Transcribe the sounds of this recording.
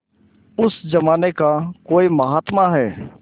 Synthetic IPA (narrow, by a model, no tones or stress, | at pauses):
ʊsd͡ʒəmaːnekakoːiməɦaːt̪maɦɛː